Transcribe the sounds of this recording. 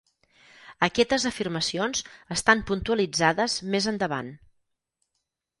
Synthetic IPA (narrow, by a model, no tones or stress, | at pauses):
əkɛt̪əzəfirməsionzəst̪ampunt̪uəlid͡zaðəzmezənd̪əβa̰n